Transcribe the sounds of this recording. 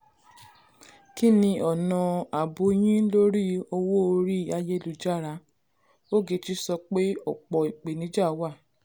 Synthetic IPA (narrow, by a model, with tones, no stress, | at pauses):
ki˦nĩ˧ʔɔ˨nɔ̃˨a˨bo˨˧˦j̃ĩ˦lo˦ɾi˦o˧wo˦o˧ɾi˦a˧je˦lu˧d͡ʒa˦˨ɾa˧˦ | o˦ɡe˧ti˧˦sɔ˧k͡pe˦ɔ̰˨k͡pɔ˨i˨k͡pe˨nĩ˨˦d͡ʒa˦˨˦wa˦˨